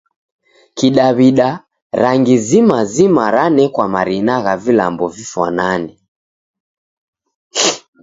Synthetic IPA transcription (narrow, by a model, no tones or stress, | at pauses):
kiɗaβiɗa | ɾaŋɡizimazimaɾanɛkwamaɾinaɣavila̰mbɔvifwa̰nanɛ